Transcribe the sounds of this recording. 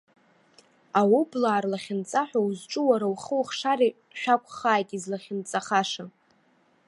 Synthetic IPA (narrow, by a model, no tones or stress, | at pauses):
awublaːrlaχʲɪnt͡sʼaħʷᶣauzʈ͡ʂʼɨwaɾawχəwχʂari | ʃᶣakʷʰʼχaːjtʼizlaχʲɪnt͡sʼaχaʂa